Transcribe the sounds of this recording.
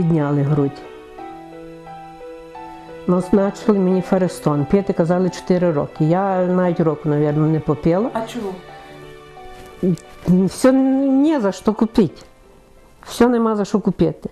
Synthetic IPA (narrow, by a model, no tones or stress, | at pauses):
id̪ʲnʲalˠɪɦɾutʲ | nɔznat͡ʃɪlˠɪmɪnʲifɐɾɛst̪ɔnpʲet̪ɪkɐzalˠɪt͡ʃɛ̥t̪ɪɾɪɾɔ̰kɪjanaʋʲɪtʲɾɔkʊnɐʋʲjɛrnɐnɛpɔpʲɛlˠɔt͡ʃu | fsʲɔnʲɛzɐʃt̪ɔkʊpʲɪtʲ | fsʲɔnɛmazɐʃɔkʊpʲet̪ɪ